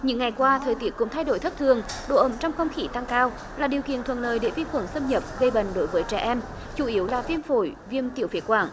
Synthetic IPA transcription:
ɲɨ̰˧˥ŋːa˨˩jkwaː˧t̪ʰəː˨˩jt̪i˦˥əkʊ̰˧˥ŋ͡mt̪ʰa˧jɗo˧˩jt̪ʰə˦˥t̪ʰɨ˨˩əŋɗo̰˧˨ʔə˧˩mt͡ɕɔ˧wŋ͡mxə˧wŋ͡mxi˧˩t̪a˧ŋkaː˧w | laː˨˩ɗi˨˩əwkḭ˧˨ənt̪ʰwə̰˧˨nləː˨jɗḛ˧˩vi˧˥kwə˧˩nsə˧mɲə˨˩p̚ɣə˧jɓə̰˧˨ŋ̟ɗo˨˦jvəː˨˦jt͡ɕɛ˧˩ʔɛ˧m | t͡ɕu˧˩ʔi˨˦əwlaː˨˩vi˧əmfo˧˩jvi˧əmt̪ḭ˧˩əwfi˨˦ətkwaː˧˩ŋ

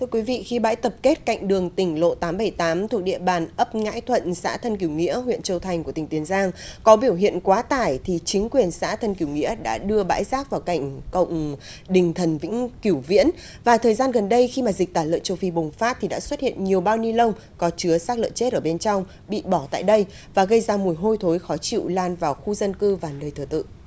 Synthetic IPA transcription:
t̪ʰɨ˧əkwi˨˦vḭ˧˨xi˧ɓa̰ː˧˥jt̪ə˨˩p̚ke˦˥t̚ka̰˧˨jŋ̟ɗɨ˨˩əŋt̪ï˧˩ŋ̟lo̰˧˨t̪aː˨˦mɓə˧˩jt̪aː˨˦mt̪ʰu˨˩ək̚ɗḭ˧˨əɓaː˨˩nʔə˦˥p̚ŋa̰ː˧˥jt̪ʰwə̰˧˨nsa̰ː˧˥t̪ʰə˧nk̬i˧˩əwŋḭ˧˥əɦwḭ˧˨ənt͡ɕə˧wt̪ʰa˨˩jŋ̟kət̪ï˨˩ŋt̪i˨˦ənzaː˧ŋkɔ˨˦ɓi˧˩əwɦḭ˧˨ənkwaː˨˦t̪aː˧˩jt̪ʰi˨˩t͡ɕï˨˦ŋ̟kwi˨˩ənsa̰ː˧˥t̪ʰə˧nki˧˩wŋḭ˧˥əɗa̰ː˧˥ɗɨ˧əɓa̰ː˧˥jzaː˦˥k̚vaː˨˩wka˧˩jŋ̟kə̰˧˨wŋ͡m | ɗï˨˩ŋ̟t̪ʰə˨˩nvḭ̈˧˥ŋ̟ki˧˩wvḭ˧˥ən | vaː˨˩t̪ʰəː˨˩jzaː˧nɣə˨˩nɗə˧jxi˧maː˨˩zi˨˩k̟̚t̪aː˧˩lə̰ː˧˨nt͡ɕə˧wfi˧˩ɓʊ˨˩ŋ͡mfaː˦˥t̚t̪ʰi˨˩ɗa̰ː˧˥swə˦˥t̚hḭ˧˨ənɲi˨˩əwɓaː˧wni˧lə˧wŋ͡m | kɔ˨˦t͡ɕɨ˨˦əsaː˦˥k̚lə̰˧˨nt͡ɕe˦˥t̚ʔəː˧˩ɓe˧nt͡ɕɔ˧wŋ͡m | ɓḭ˧˨ɓɔ˧˩t̪a̰ː˧˨jɗə˧j | vaː˨˩ɣə˧jzaː˧mu˨˩əjɦo˧jt̪ʰo˨˦jxɔ˨˦t͡ɕḭ˧˨wlaː˨˩nvaː˨˩wxu˧zə˧nkɨ˧vaː˨˩nəː˨˩jt̪ʰɨ˧˩t̪ɨ̰˧˨

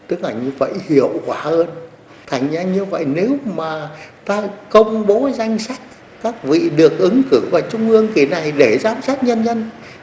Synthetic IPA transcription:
t̪ɨ˦˥k̚laː˨˩ɲɨ˧və̰˧˨jhi˧˩əwkwaː˧˩həː˧n | t̪ʰa˨˩jŋ̟zaː˧ɲɨ˧və̰˧˨jne˨˦wmaː˨˩t̪aː˧kə˧wŋ͡mɓo˨˦za˧jŋ̟sa˦˥jk̟̚ | kaː˦˥k̚vḭ˧˨ɗɨ˨˩ək̚ʔɨ˨˦ŋkɨ˧˩vaː˨˩t͡ɕʊ˧ŋ͡mʔɨ˧əŋki˧˩na˨˩jɗe˧˩zaː˨˦msaː˦˥t̚ɲə˧nɲə˧n

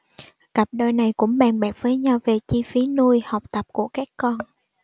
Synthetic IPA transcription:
kə˨˩p̚ɗəː˧jna˨˩jkʊ̰˧˥ŋ͡mɓaː˨˩nɓaː˨˩k̚vəː˨˦jɲa˧wve˨˩t͡ɕi˧fi˨˦nu˧əjha˨˩wk͡p̚t̪ə˨˩p̚ku˧˩əkaː˦˥kːɔ˧n

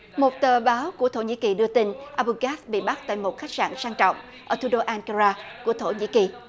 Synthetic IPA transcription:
mo˨˩t̚t̪əː˨˩ɓaː˨˦wku˧˩ət̪ʰo˧˩ɲḭ˧˥ki˨˩ɗɨ˧ət̪i˧nʔaː˧ɓu˧ɣaː˦˥t̚ɓḭ˧˨ɓa˦˥t̚t̪a̰ː˧˨jmo˨˩t̚xa˦˥jk̟̚sa̰ː˧˨nsaː˧ŋt͡ɕɔ̰˧˨wŋ͡mʔʔəː˧˩t̪ʰu˧˦ɗo˧ʔaː˧nka˧zaː˧ku˧˩ət̪ʰo˧˩ɲḭ˧˥ki˨˩

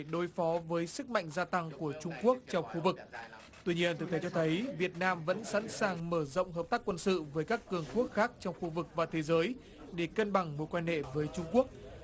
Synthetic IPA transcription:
ɗo˨˩jfɔ˨˦vəː˨˦jsɨ˦˥k̚ma̰˧˨jŋzaː˧t̪a˧ŋku˧˩ət͡ɕʊ˧ŋ͡mku˦˥ək̚t͡ɕɔ˧wŋ͡mxu˧vɨ˨˩k̚ | t̪wi˧ɲi˧ənt̪ʰɨ˨˩t̪e˨˦t͡ɕɔ˧t̪ʰə˨˦jvi˨˩ət̚naː˧mvə̰˧˥nsa̰˧˥nsaː˨˩ŋməː˧˩zo̰˧˨wŋ͡mhɦəː˨˩p̚t̪aː˦˥kːwə˧nsɨ̰˧˨vəː˨˦jkaː˦˥kːɨ˨˩əŋku˦˥ək̚xaː˦˥k̚t͡ɕɔ˧wŋ͡mxu˧vɨ˨˩k̚vaː˨˩t̪ʰe˨˦zəː˨˦j | ɗe˧˩kə˧nɓa˧˩ŋmo˨˩kwaː˧nhḛ˧˨vəː˨˦jt͡ɕʊ˧ŋ͡mku˦˥ək̚

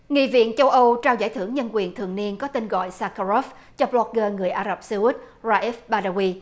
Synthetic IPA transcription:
ŋḭ˧˨vḭ˧˨ənt͡ɕə˧wʔə˧wt͡ɕaː˧wza̰ː˧˩jt̪ʰɨ˧˩əŋɲə˧nkwi˨˩ənt̪ʰɨ̰˧˨əŋni˧ənkɔ˨˦t̪i˧nɣɔ̰˧˨jsaː˧ka˧ɾɔ˦˥f | t͡ɕɔ˧blɔ˧k̚ɣəː˧ŋɨ˨˩əjʔaː˧zə˨˩p̚sa˧u˦˥t̚ | zaː˧ʔɛ˦˥fɓaː˧ɗaː˧ɣwi˧

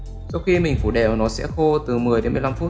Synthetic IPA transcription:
sɔ˧wxi˧mï˨˩ŋ̟fu˧˩ɗɛ̰˧˩ʔə˧˨˩nɔ˨˦sɛ̰˧˥xo˧t̪ɨ˨˩mɨ˨˩əjɗe˨˦nmɨ˨˩jla˧mfu˦˥t

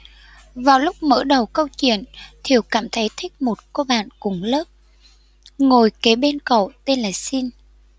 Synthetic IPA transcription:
vaː˨˩wlʊ˦˥k͡p̚mə̰ː˧˥˩ɗə˨˩wkə˧wt͡ɕwḭ˧˨ənt̪ʰi˨˩əwkaː˧˩mt̪ʰə˨˦jt̪ʰï˦˥k̚mo˨˩t̚ko˧ɓa̰ː˧˨nkʊ˨˦ŋ͡mləː˦˥p̚ | ŋo˨˩jke˨˦ɓe˧nkə̰˧˨wt̪e˧nlaː˨˩si˧n

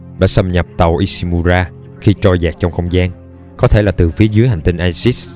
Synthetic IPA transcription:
ɗa̰ː˧˥sə˧mɲə˨˩p̚t̪a˨˩wʔi˧si˧mu˧zaː˧ | xi˧t͡ɕɔ˧jzaː˨˩k̚t͡ɕɔ˧wŋ͡mxə˧wŋ͡mzaː˧n | kɔ˨˦t̪ʰḛ˧˩laː˨˩t̪ɨ˨˩fi˨˦əzɨ˨˦jɦa˨˩jŋ̟t̪i˧ŋ̟ʔaː˧jsi˦˥s

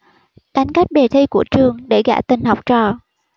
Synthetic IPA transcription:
ɗa˨˦jŋ̟ka˦˥jk̚ɓe˨˩t̪ʰi˧ku˧˩ət͡ɕɨ˨˩əŋɗe˧˩ɣa̰ː˧˥t̪ï˨˩ŋ̟ɦa˨˩wk͡p̚t͡ɕɔ˨˩

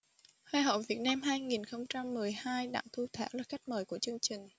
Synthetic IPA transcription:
haː˧ɦə̰˧˨wvi˨˩ət̚naː˧mɦaː˧jŋi˨˩nxə˧wŋ͡mt͡ɕa˧mːɨ˨˩əjhaː˧jɗa̰ː˧˨ŋt̪ʰu˧t̪ʰa̰ː˧˥wlaː˨˩xa˦˥jk̚məː˨˩jku˧˩ət͡ɕɨ˧əŋt͡ɕï˨˩ŋ̟

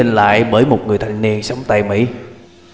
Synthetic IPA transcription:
i˧nla̰ː˧˨jɓəː˧˩jmo˨˩t̚ŋɨ˨˩əjt̪ʰa˨˩jŋ̟ni˧ənsa˨˦wŋ͡mt̪a˧jmḭ˧˥

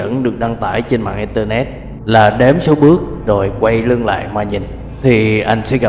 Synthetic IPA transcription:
ə̰˧˥nɗɨ˨˩ək̚ɗa˧ŋt̪aː˧˩jt͡ɕe˧nma̰ː˧˨ŋʔi˧nt̪əː˧nɛ˦˥t̚ | laː˨˩ɗe˨˦mso˨˦ɓɨ˦˥ək̚ | zo˨˩jkwa˧jlɨ˧əŋla̰ː˧˨jmwaː˧˩ɲi˨˩n | t̪ʰi˨˩ʔa˧jŋ̟sɛ̰˧˥ɣa˨˩

